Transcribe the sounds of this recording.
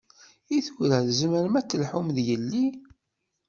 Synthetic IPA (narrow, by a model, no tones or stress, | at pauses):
iθuɾæðzməɾmæt͡sːəlħumðjəlːi